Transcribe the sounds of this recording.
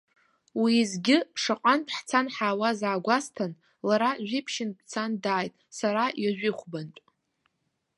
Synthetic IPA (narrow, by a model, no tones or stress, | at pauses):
wizɡʲɪʂaqʷʼanpʰʼħt͡sʰanħaːwazaːɡʷastʰan | laɾaʒʷᶣipʰʃɪnpʰʼt͡sʰandaːjtʼsaɾajaʒᶣɪχʷbant͡ʃʷʼ